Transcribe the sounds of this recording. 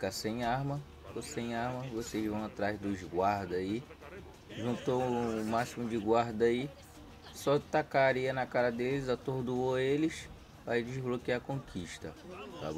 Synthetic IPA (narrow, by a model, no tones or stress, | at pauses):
fkasẽj̃aɦmɐ | osẽj̃aɦmɐvoseʒvɐ̃w̃at̪ɾazd̪ʊzɡwaɾd̪ɐi | ʒũnt̪oʊmasimʊd͡ʒɪɡwaɾd̪ɐi | sɔt̪akaɾiɐnɐkaɾɐd̪elɪzat̪oɾd̪uoelɪs | aid͡ʒɪzblokiakõkʰiʃt̪ɐt̪a̰bo